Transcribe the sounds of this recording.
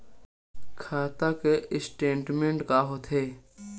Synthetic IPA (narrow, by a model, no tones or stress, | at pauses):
kʰaːt̪akeʔɪsʈẽːɳʈmẽɳʈkaɦot̪ɦeː